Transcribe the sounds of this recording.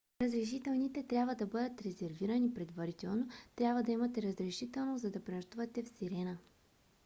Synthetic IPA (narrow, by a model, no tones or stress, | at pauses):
ɾəzɾɛʃ̬it̪ɛlˠnit̪ɛt̪ɾʲabvəd̪ɐbɤd̪ət̪ɾɛzɛɾviɾɐnipɾɛd̪vɐɾit̪ɛlˠnot̪ɾʲabvəd̪ɐimɐt̪ɛɾəzɾɛʃit̪ɛlˠnozɐd̪ɐpɾɛnʃt̪uvɐt̪ɛfsiɾɛnə